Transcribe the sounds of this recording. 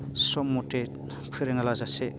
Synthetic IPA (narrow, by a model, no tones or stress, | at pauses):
sɔmute | pʰɯɾeŋalazase